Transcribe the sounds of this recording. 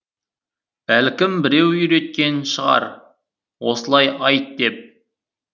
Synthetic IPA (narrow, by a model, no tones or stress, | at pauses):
ælkʲɪmbɪɾe̞wiɾe̞t̪̚kʲe̞nʃəʁɑ̰ɾ | wo̞səlˠɑjɑjt̪̚d̪e̞p̚